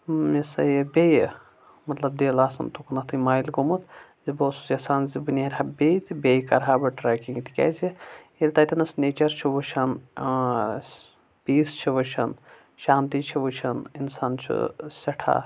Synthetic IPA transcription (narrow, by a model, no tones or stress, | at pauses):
misɐjbʲej | mɐt̪lɐbd̪eːlaːsɐ̰nt̪ukunɐt̪ʰɨmaːjlkomut̪ | ziboːsu̥jɐsaːnzibɨnʲaːɾʲɦabʲejt̪ibʲejkɐɾɦaːbɐʈɾaːkiŋɡt̪i̥kʲa̰ːzielʲt̪ɐt̪ʲinɐsneːt͡ʃɐɾt͡ʃʰiʋut͡ʃʰɐn | piːst͡ʃʰiʋɐt͡ʃʰɐ̰n | ʃaːnt̪it͡ʃʰiʋɨt͡ʃʰɐninsaːnt͡ʃʰṵsʲɐʈʰa̰ː